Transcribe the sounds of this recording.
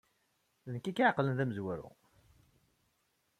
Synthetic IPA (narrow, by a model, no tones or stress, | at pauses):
ðənkːikːʕqlənðæməzwæɾṵ